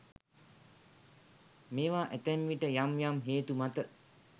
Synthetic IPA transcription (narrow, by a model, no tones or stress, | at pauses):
meːʋaːʔæt̪ɛmʋiʈəjamjamɦeːt̪umat̪ə